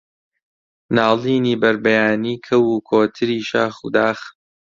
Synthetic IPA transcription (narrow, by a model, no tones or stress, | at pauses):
naːliːniːbɐɾbɐjaːniːkʰɐwuːkʰoːt̪ʰɨɾiːʃa̰ːxṵːd̪aːx